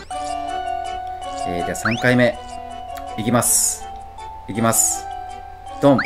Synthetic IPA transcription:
eːdeasãŋkaime̞ | ikʲimasɨ̥ | ikʲimasɨ̥ | d̪̥õm

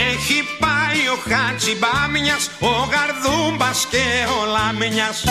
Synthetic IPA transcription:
exipajoxat͡ʃibamiɲasoɣaɾðumbaskeolameɲas

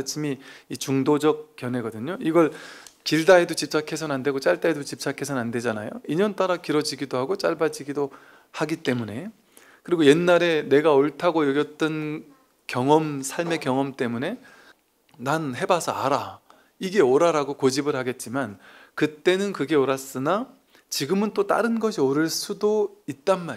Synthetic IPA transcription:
t͡ɕʰimiːt͡ɕuŋdod͡ʑʌk̚k͈jʌnɦe̞ɡʌdɯɲoiɡʌɭkiɭdaedot͡ɕip̚t͡ɕ͈akʰe̞sʰʌnande̞ɡot͡ɕ͈aɭt͈aedot͡ɕip̚s͈ʰakʰe̞sʰʌnande̞d͡ʑanajoiɲʌnt͈aɾakiɾʌd͡ʑiɡidoɦaɡot͡ɕ͈aɭbad͡ʑiɡido | haɡit͈e̞mune̞ | kɯɾiɡoje̞nːaɾe̞ne̞ɡaoɭtʰaɡojʌɡjʌt͈ʌn | kjʌŋʌmsʰaɭme̞kjʌŋʌmt͈e̞mune̞ː | anhe̞basʰʌaɾa | iɡe̞oɾaɾaɡokod͡ʑibɯɭhaɡe̞t̚t͡ɕ͈imankɯt͈e̞nɯnkɯɡe̞oɾas͈ɯna | t͡ɕiɡɯmɯnt͈ot͈a̰ɾɯnɡʌɕʰioɾɯɭs͈udoit̚t͈anma

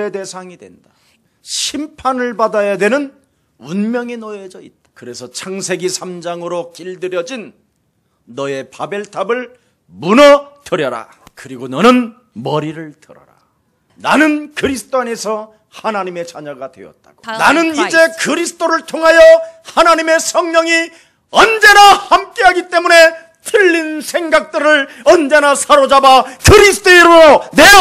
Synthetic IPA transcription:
ede̞sʰaŋidwe̞nda | ɕʰimpʰanɯɭbadajadwe̞nɯn | unmjʌŋinʌed͡ʑʌit̚t͈ḁkɯɾe̞sʰʌt͡ɕʰaŋsʰe̞ɡisʰamd͡ʑaŋɯɾokiɭdɯɾjʌd͡ʑinː | ʌe̞pabe̞ɭtʰabɯɭ | munʌtɯɾjʌɾa̰ | kɯɾiɡonʌnɯn | mʌɾiɾɯɭtɯɾʌ̰ɾa̰ | nanɯnkɯɾisʰɯ̥t͈oane̞sʰʌ | hanaɲime̞t͡ɕaɲaɡadwe̞̰ʌ̰t̚t͈a̰ɡ̥onanɯnid͡ʑe̞kɯɾisʰɯ̥t͈oɾɯɭtʰoŋɦajʌhanaɲime̞sʰʌŋɲʌŋi | ʌnd͡ʑe̞nahamk͈e̞ɦaɡit͈e̞mune̞ | tʰɯʎːinsʰe̞ŋɡak̚t͈ɯɾɯɭ | ʌnd͡ʑe̞nasʰaɾod͡ʑabakɯɾisʰɯ̥t͈ʰoiɾuɾone

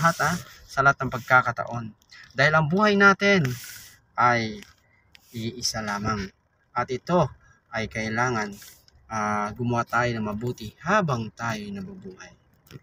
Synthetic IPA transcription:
ɦat̪ɐ | sɐlat̪̚nɐŋpɐɡ̚kaːkɐt̪ɐ̰ʔo̞n | d̪aːhɪlɐŋbuːhajnaːt̪ɪn | ʔaj | iʔɪsalaːmaŋ | ʔɐt̪ɪt̪o̞ | ʔɐjkɐʔɪlaːŋɐn | aɡʊmʊwat̪aːjonɐmɐbuːt̪ɪhaːbɐŋt̪aːjojnɐmɐbuːhaj

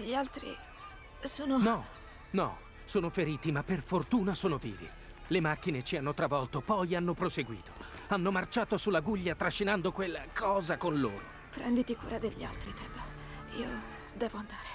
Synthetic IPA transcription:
ʎialt̪ɾḭ | soːnonɔ | nɔ̰ | soːnofeɾiːt̪imapːerfort̪uːnasoːnovḭːvḛ | lemak̟ːinet͡ʃianːot̪ɾavɔlt̪opɔjanːopɾoseɡwḭːt̪ʰo̥anːomart͡ʃaːt̪osulːaɡuʎːat̪ɾaʃːinand̪okwelːkʰɔːzakonloːɾo | pɾɛ̰nd̪it̪ikṵːɾad̪eʎːia̰lt̪ɾit̪ʰɛba | ḭːo̰ | d̪ɛːvoand̪aːɾe

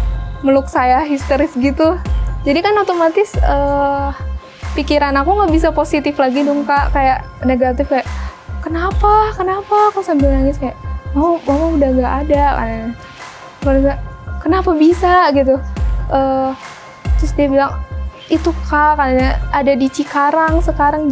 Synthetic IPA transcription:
məlʊk̚sajaɦist̪oɾɪsɡit̪ud͡ʒadikanot̪omat̪ɪsəː | pikiɾanakuŋɡaʔbis̬aposit̪ɪflaɡidʊŋkaʔkajaʔneɡat̪ɪfkajaʔkənapakənapakasambɪlnaŋɪskajaʔmamamamaudahŋɡaʔadaka̰naɲa | kanakənapabisaɡit̪̬uʔəː | t̪ɾʊsdiabilaŋ | it̪ukakanaɲaadadit͡ʃikaɾaŋsəkaɾaŋ

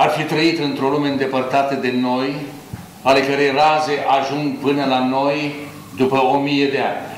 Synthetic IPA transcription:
arfit̪ɾəit̪ɨnt̪ɾo̞lumeɨnd̪e̞pərt̪at̪əd̪e̞no̞j | ale̞kəɾe̞jraze̞ʔaʒuŋɡpɨnəlano̞j | d̪upəomijed̪e̞a̰nʲ

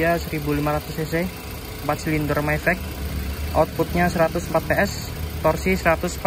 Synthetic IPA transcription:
asəɾibulimaɾat̪ʊsese | mpat̪silind̪ɔrmajfɛk̚ʔɔt̪̚put̪̚ɲasəɾat̪ʊsm̩pat̪̚peɛs | t̪ɔrsisəɾat̪ʊsmp

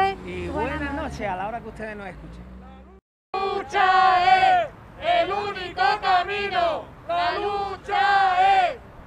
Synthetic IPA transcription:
iwwenanot͡ʃealaoɾakeuht̪eðenosehkut͡ʃe | t͡ʃae | elunikokamĩnoaut͡ʃae

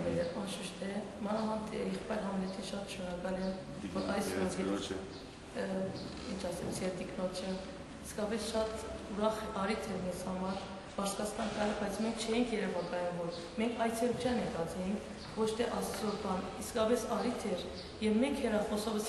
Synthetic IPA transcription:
mɛlɛɑnʃəʃt̪ʰɛmɑnɑɦɑnt̪ʰɛjɛχpɑjɾɦɑmnɛt̪ʰiʃɑt̪ʃnɔɾɑkɑlɛn | vɔɾɑjsɔnʰɛ | int͡ʃʰɑsɛmt͡sʰɛɾt̪iknɔt͡ʃʰə | iskɑpɛsʃɑt̪uɾɑχɑɾit̪ʰɛɾmɛnshɑmɑɾ | pɑɾsʰkɑt͡sʰk̪ɑnt̪ɑɾɛbɑjt͡sʰmɛŋkʰt͡ʃʰɛjiŋkʰjɛɾɛvɑkɑjumvɔɾ | mɛŋkʰɑjt͡sʰɛɾut͡ʃʰjɑnɛk̪ɑt͡sʰɛjiŋkʰ | vɔt͡ʃʰt̪ʰɛʔɑssɔɾbɑniskɑpɛsɑɾit̪ʰɛɾ | jɛvmɛŋkʰhɛɾɑχɔsɔvəs

